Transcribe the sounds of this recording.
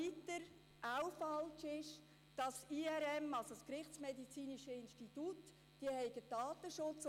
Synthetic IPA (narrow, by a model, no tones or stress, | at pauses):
it̪əɾ | ʔawfɑlt͡ʃɪʃ | d̥ɑsiɛɾɛmɑlsoskɾɪχt͡smedit͡siːniʃəɪnʃtitut | d̥iəhɛɪɡəd̥ɑːt̪əʃʊt͡s